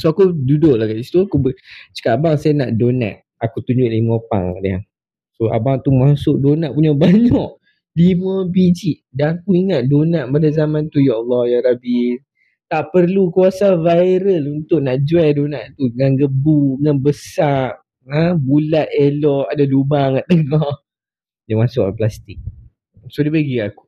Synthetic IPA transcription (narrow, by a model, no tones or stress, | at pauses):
soakududʊʔlahkaisi̥t̪uakubət͡ʃə̥kaʔabaŋsajanaʔdona̰ʔ̪̚ | akut̪uɲd͡ʒʊʔlimə̃pa̰ŋadaa̰ŋ | soa̰baŋt̪umasʊʔ̚donaʔpuɲabaɲɔʔ | limə̃bid͡ʒiʔdakuiŋat̪̚donaʔpadazamãnt̪ujaɔlːɔhjaɾabi | t̪aʔpərlukuasavaiɾəlunt̪ʊʔnaʔd͡ʒuɛdonaʔt̪uŋanɡəbuŋanbəsar | abulaʔelɔadadubaŋãʔt̪əŋɔ | jamasʊʔplast̪ik̚ | sodipəɡiaku̥